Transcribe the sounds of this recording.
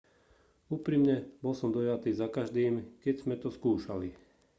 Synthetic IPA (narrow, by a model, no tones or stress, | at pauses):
uːpɾimɲɛbɔlsɔmd̪ɔjat̪iːzakaʒd̪iːmkɛɟz̥mɛt̪ɔskuːʃali